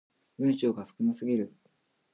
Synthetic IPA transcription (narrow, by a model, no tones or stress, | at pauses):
bɯ̃ɰ̃ɕoːɡasɨ̥kɯ̟nasɨɡʲiɾɯ̟